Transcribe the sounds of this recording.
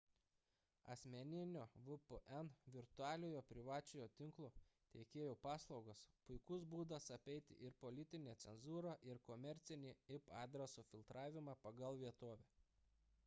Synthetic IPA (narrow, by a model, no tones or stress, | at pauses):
ɐ̰sʲmʲɛnʲɪnʲoːʋʊpʊʔɛnʋʲɪɾt̪ʊɑːlʲoːjoːpʲɾʲɪʋɑːt͡ʃʲojoːt̪ʲɪŋklˠoːt̪ʲɛɪkʲeːjoːpɑːslˠɒʊɡospʊɪkʊsbuːd̪ɐsɐpʲɛɪt̪ʲɪ̰ʔɪɾpɔlʲɪt̪ʲɪnʲeːt̪sʲɛnzuːɾɐʔɪɾkɔmʲɛɾʲt̪sʲɪnʲiːɪpɑːd̪ʲɾʲɐsuːfʲɪlˠt̪ɾɑːʋʲɪmɑːpɐɡɐlˠʋʲiɛt̪oːʋʲɛ